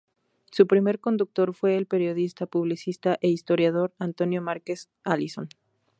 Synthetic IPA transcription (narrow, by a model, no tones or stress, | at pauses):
supɾime̞ɾko̞nd̪uk̚t̪o̞ɾfwe̞ːlpe̞ɾjo̞ðist̪apuβ̞lisist̪aʔe̞ist̪o̞ɾjað̞o̞ɾant̪o̞njo̞maɾke̞s | aliso̞n